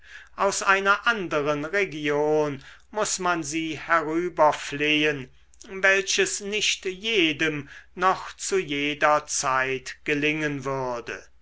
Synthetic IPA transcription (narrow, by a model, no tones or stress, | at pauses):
ʔaʊsʔaɪnɐʔandəʁənʁeɡjoːn | mʊsmanziːhɛʁyːbɐfleːən | vɛlʃəsnɪʃtjeːdəmnɔχt͡sujeːdɐt͡saɪtɡɡ̥əlɪŋənvʏɐdə̰